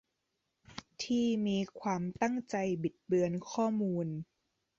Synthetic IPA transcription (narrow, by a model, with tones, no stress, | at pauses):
t̪ʰiː˥˩miː˧kʰwaː˧mt̪a˥˩ŋt͡ɕa˧jbi˨˩t̪̚bɯ˧ənkʰɔː˥˩muː˧n